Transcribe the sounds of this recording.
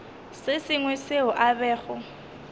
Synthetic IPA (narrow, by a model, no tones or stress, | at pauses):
sɪsɪŋwɛseʊʔabɛːɣʊ